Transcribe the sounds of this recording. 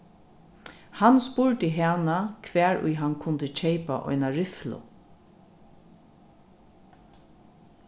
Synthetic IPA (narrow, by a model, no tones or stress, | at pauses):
hanspʊɹt̪əɦɛːnakʰʋɛːɹʊ̰jɦankʰʊnt̪ət͡ʃʰeɪpa̰ʔɔ̰jnaɹɪflʊ̰